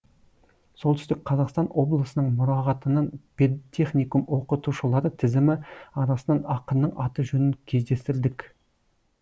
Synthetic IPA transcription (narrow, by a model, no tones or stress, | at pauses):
so̞lˠt̪ʏst̪ɪk̚qʰɑzɑqst̪ɑnwo̞blˠəsənəɴmʊɾɑʁɑt̪ənənpet̪ʲʰːeχnʲijkumwo̞qət̪uʃəlˠɑɾət̪ʰɪzɪmɪɑɾɑsnɑnɑqənːəɴɑt̪əʒɵnɪŋkʲʰe̞zd̪e̞st̪ɪɾd̪ɪk